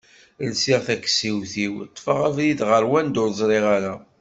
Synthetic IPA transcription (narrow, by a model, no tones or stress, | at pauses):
əlsiʁθækːsiwθiwt̪ˤːfaʁævlid̪ʁəɾwænd̪ʊɾzˤɾˤɪʁaɾa